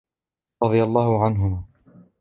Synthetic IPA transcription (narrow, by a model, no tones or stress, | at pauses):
ɾˤɑd̪ˤɨjalˤːɑːhʊʕanɦʊmaː